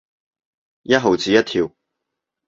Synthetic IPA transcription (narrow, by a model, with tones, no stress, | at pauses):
jɐ˥t̚ɦo˨wt͡siː˨˧jɐ˥t̪̚ʰiː˧w